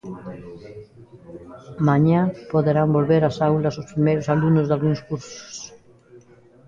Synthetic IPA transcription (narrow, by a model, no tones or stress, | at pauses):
mãɲapoðeɾambolβeɾasawlasospɾimejɾosalunozðalɣuŋskuɾso̥s